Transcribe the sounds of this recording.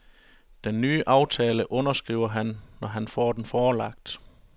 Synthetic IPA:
d̥enːyːʔɑ̈ʊt͡sʰɛːləʔɔ̽nɐsɡ̥ʁiːʊɐɦænːɒɦænfɒ̰ːd̥enfɒːlɑ̈ɡ̥d̥

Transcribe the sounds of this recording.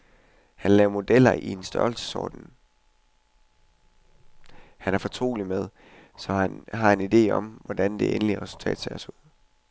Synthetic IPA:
hænlɛːʊmo̝d̥el̰ɐʔie̝nsd̥ɶɐlsə̥sɒ̰ːd̥n̩ | hænæɐfɒ̽t͡sʰʁo̝̰ːlimeð̞ˠ | sɒ̽ɦɑ̈enid̥e̝̰ːɒ̽mʋɒd̥ænd̥e̝ʔenliʁɛsult͡sʰɛ̰ːd̥sʰeːɐsuð̰ˠ

